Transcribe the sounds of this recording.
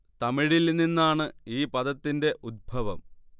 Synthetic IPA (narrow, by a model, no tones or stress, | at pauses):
t̪ɐmiɻilnːinːaːɳɨiːpɐd̪ɐt̪ːinde̞ʔud̪̚bʱɐʋɐm